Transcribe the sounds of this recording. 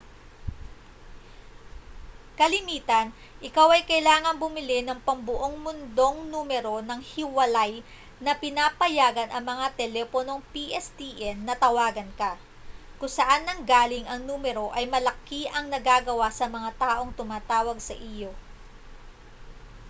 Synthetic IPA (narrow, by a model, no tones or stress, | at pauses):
kɐlɪmiːt̪ɐn | ʔɪkawɐjkɐjlaːŋɐŋbʊmɪlɪnɐŋpɐmbʊʔo̞ŋmʊnd̪o̞ŋnuːmɛɾo̞nɐŋhɪwɐlaj | nɐpɪnapɐjaːɡɐnʔɐŋmɐŋat̪ɛlɛːpono̞ŋpiʔɛst̪iʔɛnːɐt̪ɐwaːɡɐnkɐ | kʊŋsɐʔanːɐŋɡaːlɪŋʔɐŋnuːmɛɾo̞ʔɐjmɐlɐkiʔɐŋnɐɡaːɡɐwasɐmɐŋat̪aːʔo̞ŋt̪ʊmaːt̪aːwɐɡsɐʔijo̞